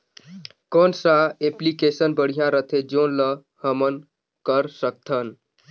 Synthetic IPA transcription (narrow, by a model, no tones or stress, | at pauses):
kɔːnsaeplikesənbəɽ̤ijãɾət̪ʰed͡ʒoːnlə | həmən | kəɾsək̚t̪ʰən